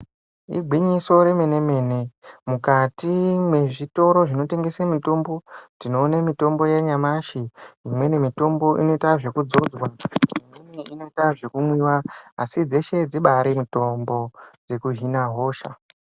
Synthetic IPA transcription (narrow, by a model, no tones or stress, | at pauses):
ḭɡʱwiɲiso̞ɾe̞me̞ne̞me̞ːnemukatimwe̞ʐito̞ɾo̞ʐino̞te̞ŋɡe̞samito̞mbo̞tino̞ːnamito̞mbo̞jeɲamaʃiimwe̞nemito̞mbo̞ʔḭno̞itaʐe̞kud͡zo̞d͡zwaimimiino̞itaʐe̞kumwiwaasid͡ze̞ʃe̞d͡ziɓaɾimito̞mbo̞d͡ze̞kuɦinaɦo̞ːʃa̰